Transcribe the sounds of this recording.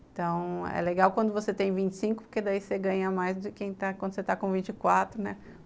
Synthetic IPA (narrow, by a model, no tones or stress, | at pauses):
ẽt̪ɐ̃w̃ɛ̰leɡawkwɐ̃nd̪ʊvoset̪ẽj̃vĩnt͡ʃɪ̥sĩŋkʊpoɾked̪aiseɡɐ̃ɲɐmajzd̪ʊkẽj̃t̪akwɐ̃nd̪ʊset̪akõvĩnt͡ʃɪkwat̪ɾʊnɛ